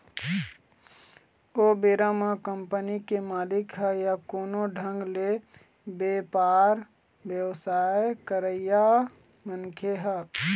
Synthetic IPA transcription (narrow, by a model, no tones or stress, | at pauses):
obeɾamakəmpənikemaːlikɦəjakoːnoɖʱə̃ŋɡle | bepaɾ | bjəwsajkəɾəja | mənkʰeɦə